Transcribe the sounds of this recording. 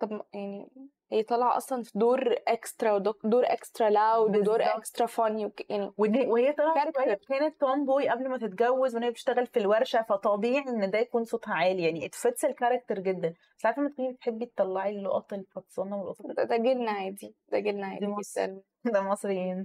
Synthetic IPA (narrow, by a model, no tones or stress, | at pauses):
t̪ˤɑbjaʕni | hejːæt̪ˤɑlʕɑʔɑsˤlɑnfid̪oːɾʔekst̪ɾˤɑwd̪od̪oːɾʔekst̪ɾˤɑlawd̪wed̪oːɾʔekst̪ɾˤɑfæniwekjaʕniwenewehejːæt̪ˤɑlʕɑæɾɑkːeɾkæːnet̪ːomboːjiʔæblmæt̪et̪ɡæwːezwenhæːæt̪eʃt̪æɣælfilwæɾˤʃæfæt̪ˤɑbiːʕiʔenːd̪æjækuːnsˤot̪ˤhʕaːlijaʕniʔet̪fæt̪selkɑɾˤɑk̚t̪eɾˤɡed̪ːæn | saʕat̪fæmæt̪̚konːibet̪ħebːjet̪ˤːɑlːɑʕilːoʔɑt̪ˤelfɑt̪sˤɑnːɑwelʔɑt̪ˤɑæd̪æɡelnæʕæːd̪id̪̥æɡelnæʕa̰ːiesæ̰læ | d̪æmɑsˤɾejːiːn